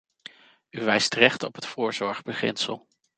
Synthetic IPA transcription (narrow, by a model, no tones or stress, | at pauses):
yʋɛjstrɛχtɔpɦətfʊːɹzɔɹχbəχɪ̰nsəlˠ